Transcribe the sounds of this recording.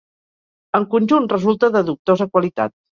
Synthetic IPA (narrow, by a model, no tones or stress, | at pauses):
əŋkunʲʒunrəzulˠt̪əðəðuk̚t̪ozəkwəlit̪a̰t̪̚